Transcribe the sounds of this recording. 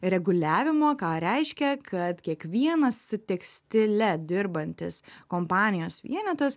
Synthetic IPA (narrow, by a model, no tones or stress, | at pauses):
ɾʲɛɡʊlʲæːʋʲɪmoːkɑːɾʲɛɪʃʲkʲɛkʰɐt̪kʲiɛkʋʲiɛnɐssʊt̪ʲɛksʲt̪ʲɪlʲɛd̪ʲɪɾbɐnʲt̪ʲɪskoːmpɑːnʲɪjoːsʋʲḭɛnʲɛt̪ɐs